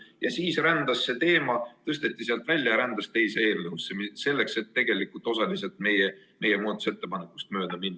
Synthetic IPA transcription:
jɑsiːsrænd̪ɑsːe̞t̪e̞ːmɑt̪ɤst̪e̞t̪ːiseɑlt̪vælʲjɑjɑɾænd̪ɑst̪e̞jseeːlnɤusːemse̞lːe̞kse̞t̪ːe̞ɡ̥e̞likult̪ːˑo̞sɑliselt̪me̞je | me̞jemuːd̪ɑt̪use̞t̪ːe̞pɑne̞kːˑu̥st̪mø̞ːd̪̥ɑminː

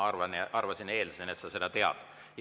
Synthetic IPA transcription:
ɑrvɑnɑɑrvɑsine̞ːlsenet̪sɑse̞d̪ɑt̪e̞ɑ̰d̪̥ | j

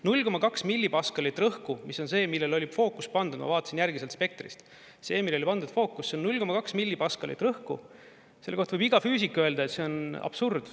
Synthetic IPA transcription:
nulʲko̞mɑkɑksmilʲːipɑskɑlit̪ːˑrɤhkumiso̞nse̞ːmilːe̞lo̞lʲifo̞ːkːˑuspɑnd̪ud̪̥mɑ̰vɑːt̪ɑsinjærɡ̥mise̞lt̪spe̞k̚t̪rḭst̪ | se̞ːmilːelipɑnd̪ud̪̥fo̞ːkːˑusːenːulʲko̞mɑkɑksmilʲːipɑskɑlḭt̪rɤhku | se̞lːeko̞ht̪vɤbiɡ̥ɑfyːs̬ikːøeld̪ɑet̪se̞o̞nɑ̰b̥surd̪̥

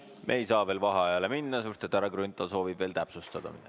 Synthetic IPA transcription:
meːejsɑːve̞ːlvɑɦɑɑjɑleminːɑsurst̪et̪ːˑæɾɑɡrynt̪ˑːɑlso̞ːvibve̞ːlt̪æpsust̪ɑd̪̥ɑ̰mḭd̪̥

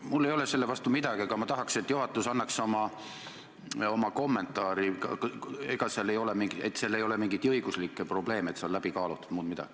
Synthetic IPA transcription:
mulːe̞jo̞le̞se̞lːevɑst̪umid̪̥ɑɡ̥iɑɡ̥ɑmɑt̪ɑɦɑkset̪ːjuɦɑt̪ːˑusɑnːɑkso̞mɑ | o̞mɑko̞mːe̞nt̪ːˑɑːɾikɑ̰keɡ̥ɑseɑlːejo̞lemiŋɡiḛt̪ːselːejo̞lemiŋɡ̥it̪ɤjɡ̥uslikːˑepro̞ble̞ːmet̪seolæb̥ikɑːlut̪ːˑu̥d̪̥muːd̪mid̪ɑ̰ɡ̥i̥

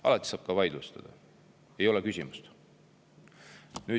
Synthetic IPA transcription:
ʔɑ̰lɑt̪ːˑi̥sɑːb̥kɑvɑjd̪lust̪ɑ̰d̪̥ɑ | e̞jolɛkysʲimust̪ | nyː

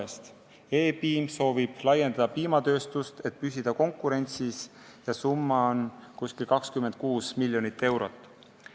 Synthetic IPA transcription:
est̪ | eːpiːmso̞ːvib̥lɑje̞nd̪̥ɑd̪̥ɑpiːmɑt̪ø̞ːst̪ust̪e̞t̪̚pys̬ʲid̪̥ɑko̞ŋkːˑuɾe̞nʲt̪sis | jɑsumːɑonkuskilkɑkskymːe̞nd̪̥̚kuːsmilʲjonit̪ːˑe̞wɾo̞t̪ːˑ

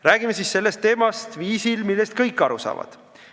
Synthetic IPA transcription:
ɾæːɡ̥imesisse̞lːest̪ːˑe̞ːmɑst̪viːsilmilːe̞st̪̚kɤjkːˑɑɾusɑ̰ːvɑ̰d̪̥

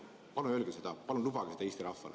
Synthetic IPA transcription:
pɑlumølɡ̥ese̞d̪̥ɑpɑlunlubɑɡ̥ese̥ɑeːst̪iɾɑfːɑ̰l̰

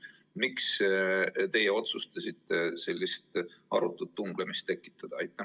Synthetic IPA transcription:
miks | t̪e̞jeo̞t̪sust̪ɑsʲit̪ːˑe̞se̞lʲːist̪ɑɾut̪ːˑut̪ːuŋɡ̥lemist̪ːe̞kːˑi̥t̪ːˑɑd̪̥ɑɑjt̪ːˑɑ

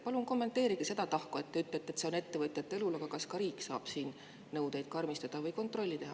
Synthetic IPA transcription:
pɑlunko̞mːe̞nt̪ːˑe̞ːɾiɡ̥ise̞d̪ɑt̪ɑhkoet̪ːeyt̪ːˑet̪ːˑet̪se̞one̞t̪ːe̞vɤt̪ʲjɑt̪ːˑe̞lulɑɡ̥ɑkɑskɑɾiːkːˑsɑ̰ːb̥siːn | nɤwd̪e̞jd̪̥̚kɑrmist̪ɑd̪̥ɑvɤjko̞nt̪ˑro̞lʲːit̪e̞hɑ

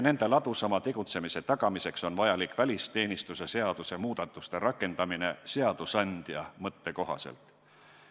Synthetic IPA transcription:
ne̞nd̪̥e̞lɑd̪usɑmɑt̪e̞ɡ̥ut̪se̞mise̞t̪ɑɡ̥ɑmise̞kso̞nvɑjɑlikˑvælʲist̪e̞ːnist̪use̞se̞ɑd̪̥use̞muːd̪̥ɑt̪ːˑust̪e̞ɾɑkːˑe̞nd̪̥ɑmine̞se̞ɑd̪̥usɑnʲd̪̥jɑ̰mɤt̪ːe̞ko̞ɦɑ̰se̞̰lt̪

